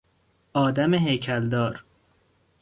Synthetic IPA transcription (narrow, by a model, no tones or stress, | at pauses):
ʔɒːd̪æmeɦejcʰæld̪ɒːɾ